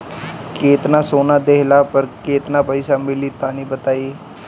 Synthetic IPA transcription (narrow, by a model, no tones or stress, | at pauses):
keːt̪naːsoːnãːd̪eːɦlaːpəɾkeːt̪nãːpəisaːmɪliːt̪ãːnĩːbət̪aːiː